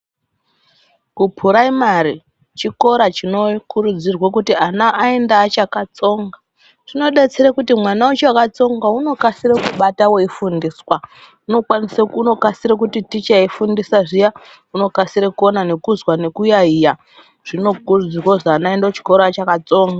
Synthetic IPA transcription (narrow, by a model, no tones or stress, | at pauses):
kupʰuɾaimari | t͡ʃiko̞ɾat͡ʃino̞kuɾud͡zirwakutianaʔːendaːt͡ʃakat͡so̞ːŋɡa | ʐino̞ɗet͡seɾakutimwanaut͡ʃeakat͡so̞ŋɡauno̞kasiɾekuɓatawoifundiswa | uno̞kwaniseuno̞kasiɾak̬utitit͡ʃaifundisaʐija | uno̞kasiɾekuonane̞kuzwane̞kujaija | ʐ̥ino̞kurd͡ziwoʐaːnaendaot͡ʃi̥ko̞ɾaːt͡ʃakat͡so̞ːŋɡa